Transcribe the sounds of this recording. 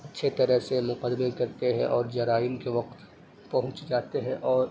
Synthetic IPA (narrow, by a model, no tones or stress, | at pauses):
ɐtːʃʰet̪ɐɾəɦsemʊqəd̪mekɐɾt̪eɦɛ̰̃ʔɔːɾd͡ʒɐɾaːɪnkeʋɐq̚t̪ | pɐɦʊ̃t͡ʃd͡ʒaːt̪eɦɛ̃ʔɔːɾ